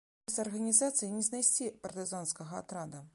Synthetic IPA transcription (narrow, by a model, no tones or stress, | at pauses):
ɛsʲɐrɣɐnʲizat̪sɨjinʲɛznajsʲt͡sʲipɐrt̪ɨzanskɐɣɐa̰t̪ɾad̪ɐ